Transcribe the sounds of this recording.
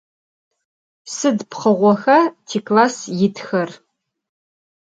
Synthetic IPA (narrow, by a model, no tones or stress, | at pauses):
sɨdpχɐʁʷɔxɐtʰiːklaːsjɪtʰxɐr